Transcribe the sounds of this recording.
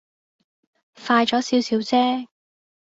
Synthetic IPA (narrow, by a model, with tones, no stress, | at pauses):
faː˧jt͡ʃɔː˨˥siː˨˥wsiː˨˥wt͡sɛː˥